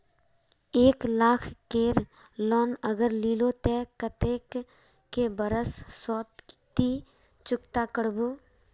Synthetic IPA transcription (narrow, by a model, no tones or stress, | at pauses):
eːklaːkʰkeːɾ | lɔːnəɡəɾliːlot̪ɛkət̪eːkː | ebəɾəssɔːt̪t̪i | t͡ʃʊkt̪akəɽboː